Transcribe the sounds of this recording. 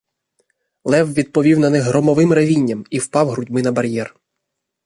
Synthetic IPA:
lˠɛwʋʲid̪̚pɔʋʲiwnɐnɪɦɾɔmɔʋɪmɾɐʋʲinʲːɐmiwpɑwɦɾʊdʲmɪnɐbɐɾʲjɛr

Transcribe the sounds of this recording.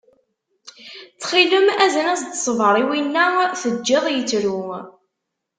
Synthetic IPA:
t͡sːχiləmæzənæzd̪ə̥sˤəvəɾˤiwinːæθəd͡ʒːɪðˤjət͡sːɾu

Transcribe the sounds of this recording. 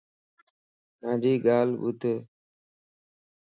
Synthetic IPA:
nãːd͡ʒiːɠaːlɓʊt̪eː

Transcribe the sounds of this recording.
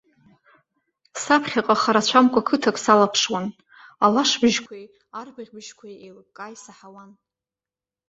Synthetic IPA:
sapʰχʲaqʼaχaɾat͡ɕʷʰamkʷʼakʰɨtʰakʼsalapʰʂwan | alaʂbɨʒkʷʰej | arbɨʁʲbɨʒkʷʰajejlkʼajsaħawan

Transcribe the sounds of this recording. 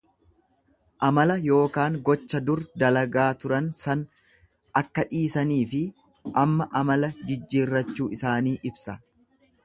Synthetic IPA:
ʔɐmɐlɐjo̞ːkaːŋɡɔt͡ʃːɐd̪ʊɾd̪ɐlɐɡaːt̪ʊɾɐnsɐn | ɐkːɐᶑiːsɐniːfɪ | ʔɐmːɐʔɐmɐlɐd͡ʒɪd͡ʒːiːrːɐt͡ʃːuːɪsaːniːʔɪbsɐ

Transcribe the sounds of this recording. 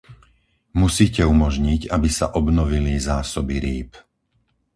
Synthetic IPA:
musiːcɛumɔʒɲiɟabisa̰ʔɔbnɔʋilizaːsɔbiɾiːp

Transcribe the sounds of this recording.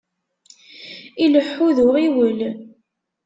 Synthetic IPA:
iləħːuðʊʁiwəl

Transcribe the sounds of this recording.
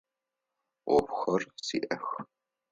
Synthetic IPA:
ʔʷɔpxɐrsḭːʔɐx

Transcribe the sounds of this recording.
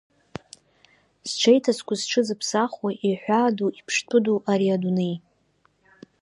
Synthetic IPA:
sʈ͡ʂʰejtʰaskʷʰazʈ͡ʂʰɨzɨpʰsaχwajʔiħʷaːduʔipʰʂtʰɨduʔaɾiadunej

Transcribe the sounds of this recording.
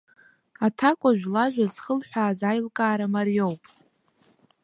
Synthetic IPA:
atʰakʷʼaʒᶣʷlaʒʷᶣazχəlħʷᶣaːzajlkʼaːɾamarjo̞wpʼ

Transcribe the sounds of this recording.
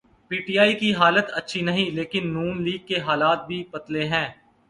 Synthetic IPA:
piːʈijaːikiɦaːlət̪ɐtːʃʰinɐɦĩleːkɪnːuːnliːɡ̚keɦaːlaːt̪̚bʱipɐt̪leɦɛ̃ː

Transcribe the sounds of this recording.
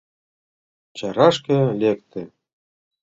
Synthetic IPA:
t͡ɕɑɾɑʃkɤ̆lʲek̚t̪ɘ̆

